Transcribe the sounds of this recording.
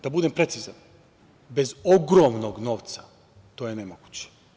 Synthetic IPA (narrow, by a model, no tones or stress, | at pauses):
d̪̥abud̪empɾe̞t̪siza̰n | bezoɡɾoːmnoɡnoːʋt̪sa | t̪oːjenemoɡu̥t͡ɕe̥